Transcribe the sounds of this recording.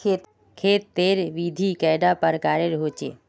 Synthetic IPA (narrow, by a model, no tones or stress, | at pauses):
eːt̪ | kʰeːt̪ːeːɾʋiːd̪ʱiːkɛːɪɖapəɾkaːɾeɾɦoːt͡ʃḛː